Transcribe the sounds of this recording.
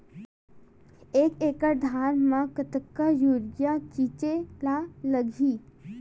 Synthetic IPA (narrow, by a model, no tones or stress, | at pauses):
eːkeːkəɾd̪ʱaːnmãkət̪əkːajuːɾɡjakit͡ʃelaləɡʱiː